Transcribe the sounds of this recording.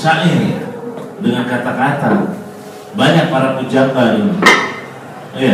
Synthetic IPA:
saʔi | dəŋankat̪akat̪a | baɲak̚paɾapud͡ʒambadu | ija

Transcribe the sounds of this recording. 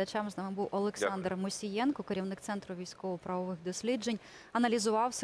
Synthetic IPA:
ɐt͡ʃamznɑmɪbuwʔɔlˠɛksɑnd̪rmʊsʲijɛnkɔkeɾʲiwnɪk̚t̪sɛnt̪ɾʊʋʲijsʲkɔʋɔpɾɐʋɔʋɪxd̪ɔsʲlʲid͡ʒenʲ | ɐnɐlʲizʊʋɑwsʲ

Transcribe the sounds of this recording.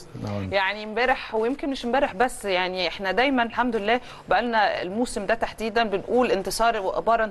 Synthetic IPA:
jaʕnimbæːɾeħwejemkenmeʃmbæːɾeħbæsːjaʕniʔeħnæd̪æjmænelħamd̪lelːæː | wbæʔælnæḛlmuːsemd̪æt̪aħd̪iːd̪ænbenʔuːlʔent̪esˤɑːɾˤweʔḛbɑːɾˤɑn

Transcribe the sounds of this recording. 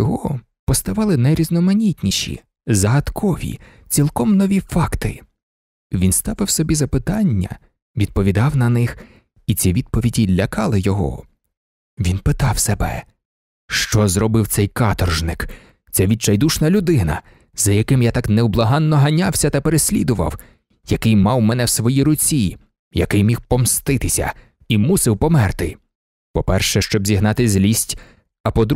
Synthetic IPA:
jɔɦɔ | pɔst̪ɐʋɑlˠɪnɐjɾʲiznɔmɐnʲitʲnʲiʃḭ | zɐɦɐt̪kʰɔʋʲḭ | t͡sʲilˠkɔmnɔʋʲifɑkt̪ɪ̰ | ʋʲinst̪ɑʋɪwsɔbʲizɐpɪt̪ɑnʲːɐ̰ | ʋʲid̪̚pɔʋʲid̪ɑwnɐnɪx | it͡sʲiʋʲid̪̚pɔʋʲidʲilʲːɐkɑlˠɪjɔɦɔ̰ | ʋʲinpɪt̪ɑwsebɛ̰ | ʃt͡ʃɔzɾɔbɪwt̪sɛjkɑt̪ɔrʒnɪk | t̪sʲɛʋʲit͡ʃɐjd̪uʃnɐlʲʊd̪ɪnɐ̰ | zɐjɐkɪmjat̪ɑknɛwblˠɐɦɑnːɔɦɐnʲɑwsʲɐt̪ɐpeɾesʲlʲid̪ʊʋɐ̰w | jɐkɪjmɑwmɛnɛwsʋɔjiɾʊt͡sʲi | jɐkɪjmʲiwpɔmst̪ɪt̪ɪsʲɐ̰ | imusɪwpɔmɛrt̪ɪ | pɔpɛrʃɛʃt͡ʃɔbzʲiɦnɑt̪ɪzʲlʲisʲtʲ | ɐpɔd̪ɾ

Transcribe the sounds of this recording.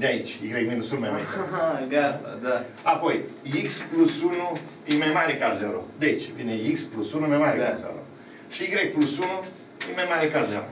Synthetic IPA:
d̪eait͡ʃʲiɡɾejminusunmajmaɾeaɡaa̰d̪a | apo̞jiksplusunu | jemajmaɾekazeɾod̪eit͡ʃvineiksplusunujmajmaɾʲekazḛɾo̰ | ʃiiɡɾekplusunu | jemajmaɾekazeɾo̰

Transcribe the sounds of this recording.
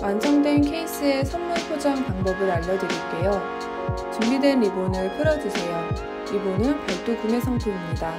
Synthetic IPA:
wʔansʰʌŋdwe̞nkʰe̞is͈ɯe̞sʰʌnmunpʰjod͡ʑaŋpaŋbʌbɯɾaʎːʌdweɾiɭt͈e̞jo | t͡ɕumbidwe̞nibonɯɭpʰɯɾʌd͡ʑusʰe̞jo | ibonɯnpʌɭt͈ukume̞sʰʌŋtʰeimɲida

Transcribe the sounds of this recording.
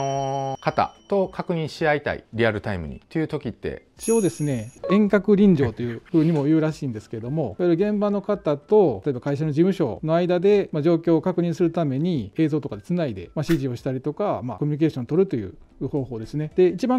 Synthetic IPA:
okat̪a̰t̪o̞kakɯ̟ɲ̟ĩɰ̃ɕiait̪a̰ḭɾʲiaɾɯ̟t̪aimɯ̟̰ɲ̟ḭt̪ːojɯ̟t̪o̞kʲit̪ːe̞̰i̥t͡ɕio̞ːd̪e̞sɨne̞ẽ̞ŋkakɯ̟ɾʲĩɲd͡ʑo̞ːt̪o̞jɯ̟ːɸɯ̟ːɲ̟imo̞jɯ̟ːɾaɕiːnd̪e̞sɨ̥ke̞ɾed̪o̞mo̞iβaiɾɯ̟ɡẽ̞mbano̞kat̪at̪o̞t̪oebḁkaiɕ̬ano̞d͡ʑimɯ̟ɕo̞̰no̞aid̪ad̪e̞mad͡ʑo̞ːkʲo̞ːkakɯ̟ɲ̟ĩsɨɾɯ̟t̪ame̞ɲ̟ie̞ːzo̞ːt̪o̞kad̪e̞t͡sɨnaid̪e̞maɕiʑio̞ɕi̥t̪aɾʲit̪o̞kama̰komʲiɲ̟ike̞ːɕõ̞nt̪o̞ɾɯ̟t̪o̞jɯ̟̰ː | ho̞ːɦo̞ːd̪e̞sɨne̞d̪̥e̞it͡ɕibã

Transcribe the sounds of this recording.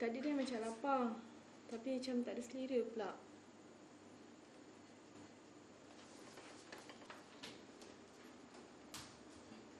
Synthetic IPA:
t̪aʔdidəmat͡ʃalapa | t̪apit͡ʃamt̪aʔdisəliɾəplaʔ

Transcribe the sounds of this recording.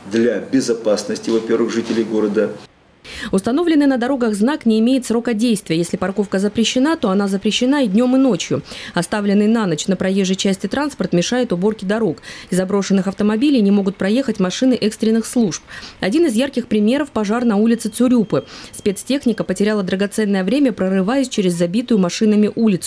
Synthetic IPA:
d̪lʲabʲɪzɐpasnəsʲtʲɪvɐpʲe̞rvɨxʐɨtʲɪlʲɪjɡo̞ɾəd̪ə | ʊst̪ɐno̞vlʲɪnɨjnəd̪ɐɾo̞ɡəɣznaknʲɪɪmʲejɪt̪sro̞kədʲejst̪vʲɪjəjesʲlʲɪpɐrko̞fkəzəpɾʲɪɕːɪnat̪o̞ɐnazəpɾʲɪɕːɪnaɪdʲnʲo̞mɨno̞t͡ɕjʊɐst̪avlʲɪnːɨjnanət͡ɕnəpɾɐjeʐːəjt͡ɕæsʲtʲɪt̪ɾanspərt̪mʲɪʂajɪt̪ʊbo̞rkʲɪd̪ɐɾo̞kɪzɐbɾo̞ʂɨnːɨxɐft̪əmɐbʲilʲɪjnʲɪmo̞ɡʊt̪̚pɾɐje̞xətʲmɐʂɨnɨʔɛkst̪ɾʲɪnːɨxslˠuʂpɐdʲinɨɪzjarkʲɪxpɾʲɪmʲe̞ɾəfpɐʐarnɐulʲɪt̪sɨt̪sʊɾʲupɨspʲe̞t̪stʲe̞xnʲɪkəpətʲɪɾʲalˠəd̪ɾəɡɐt̪sɛnːəjəvɾʲemʲəpɾərɨvajʊsʲt͡ɕeɾʲɪzːɐbʲit̪ʊjʊmɐʂɨnəmʲɪʔulʲɪt̪s

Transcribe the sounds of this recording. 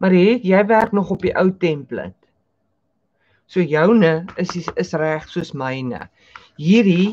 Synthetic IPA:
mɐɾɦitjɛjværknɔχɔpiʔœwtɛmplə̰t | suəjəwnəəsiəsræχsuəsməjnə̰ | ɦiːɾi

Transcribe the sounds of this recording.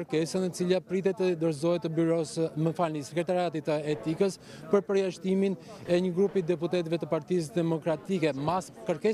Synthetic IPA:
ɾkɛsanət͡silapɾit̪ɛt̪ːəd̪əɾzɔɦɛt̪ːəbyɾɔsəməfalnisɛkɾɛt̪aɾiat̪it̪əɛt̪ikəs | pəɾpəɾjaʃt̪imin | ɛɲəɡɾupid̪ɛput̪ɛt̪vɛt̪əpaɾt̪is̬d̪ɛmɔkɾat̪ikɛmaskəɾkɛ

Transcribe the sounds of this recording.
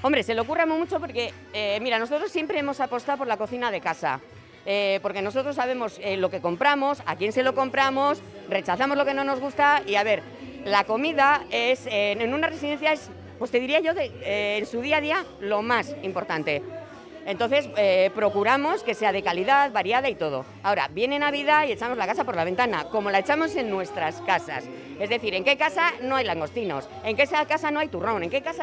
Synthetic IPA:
o̞mbɾe̞se̞lokuramumut͡ʃo̞po̞ɾke̞ | emiɾano̞so̞t̪ɾosːje̞mpɾe̞emo̞sapo̞st̪aop̬o̞ɾlako̞θinað̞e̞kasa̰ | epo̞ɾke̞no̞sot̪ɾo̞sːaβ̞e̞mo̞selo̞ke̞ko̞mpɾamo̞sa̰kje̞nse̞lo̞ko̞mpɾamo̞s | re̞t͡ʃaθamo̞zlo̞ke̞nõ̞no̞zɣust̪aiaβe̞ɾ | lako̞miðaeseenũnaresiðe̞n̟θjae̞s | pwot̪e̞ðiɾiaʝo̞ðeeːnsuðiaðia | lo̞masimpo̞ɾt̪ant̪e̞ | ent̪o̞nθe̞sepɾo̞kuɾamo̞ske̞se̞að̞e̞kaliðaðβaɾjaðait̪o̞ð̞o̞̰ | ao̞ɾa̰bje̞ne̞naβ̞iðaie̞t͡ʃamozlakasapo̞ɾlaβe̞nt̪ana̰ko̞mo̞laet͡ʃamo̞se̞nːwe̞st̪ɾaskasa̰s | e̞zðe̞θiɾe̞ŋke̞kasano̞ajlaŋɡo̞st̪ino̞̰se̞ŋke̞sakasano̞ajt̪uro̞ne̞ŋke̞kasa

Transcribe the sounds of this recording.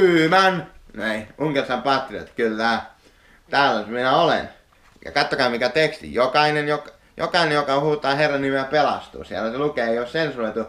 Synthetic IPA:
yːmænnæiuŋkersɑmpɑt̪rio̰t̪kylːæ | t̪æːlːæyminæolḛn | jɑ̰kɑt̪ːokɑːmmikæt̪ekst̪ḭjjokɑinenjok | jʔo̰kɑinejokɑhuːt̪ˑɑːherːɑnnimeæpelɑ̰st̪ṵːsiæ̰lːæselukeːeioːssensuloit̪u

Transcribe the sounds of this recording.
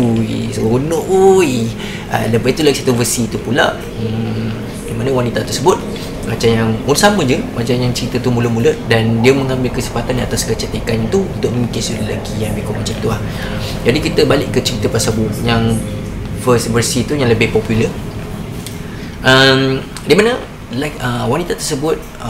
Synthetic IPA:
uḭsunoʔi | ʔə̰ləbait̪ulaɡisat̪uvəsiːt̪upula̰ʔ | əm | dimanəwanit̪at̪əsəbʊt̪̚ | mat͡ʃamjaŋulsamə̃d͡ʒəmat͡ʃamjaŋt͡ʃəɾit̪ət̪umuləmulədandiəməŋãmbɪlkəsəfat̪anat̪askət͡ʃət̪ekant̪uunt̪ʊk̚məmikɪnsudəla̰ɡijaŋbikʊʔmət͡ʃəit̪əah | d͡ʒadikit̪əbalɪʔkːət͡ʃəɾit̪əpəsəbʊjaŋ | fəsvərsit̪ujaŋləbɪhpɔpjulə | ʔəm | dimanə | lakəwanit̪at̪ərsəbʊt̪̚

